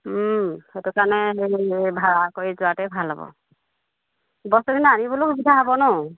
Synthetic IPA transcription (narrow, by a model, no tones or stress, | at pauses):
hetukanɛɦejbʱaɹakojzʊatɛbʱalabɔ̰ | bɔstɔkinaanibɔlʊkbidʰaɦabɔnɔ